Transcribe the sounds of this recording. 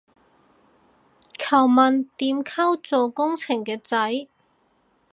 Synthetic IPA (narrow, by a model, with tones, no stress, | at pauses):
kʰɐ˨˩wmɐ˨nt̪iː˨˥mkʰɐ˥wt͡so˨˩kʊ˥ŋt͡sʰɪ˨˩ŋkɛː˧t͡sɐ˨˥j